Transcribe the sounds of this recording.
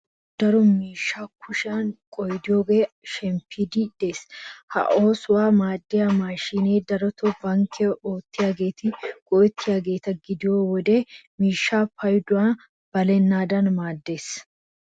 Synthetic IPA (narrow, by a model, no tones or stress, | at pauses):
d̪̥ɐɾʊmiːʃːaːkʰʊʃaːŋkʼɔjd̪ɪoɡeːʃɛmpɪd̪id̪̥eshɐ̰ʔoːsʊwaːmaːd̪ːɪjɐmaːʃineːd̪ɐɾɔt̪ɔbɐŋkʰɛʔoːt̪ːɪɐɡeːt̪ɪɡ̥ɔːt̪ːɪɐɡeːt̪ɐɡɪd̪ɪjoːwɔd̪eːmiːʃːaːpɐjd̪ʊan | b̥ɐlɛnːaːd̪ɐnmaːd̪ːeːs